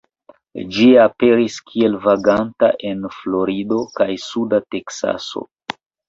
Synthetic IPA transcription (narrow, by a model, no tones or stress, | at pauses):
d͡ʒiape̞ɾiskʰie̞lvaɡanta̰ʔe̞nfloɾido̞kajsudate̞ksa̰so̰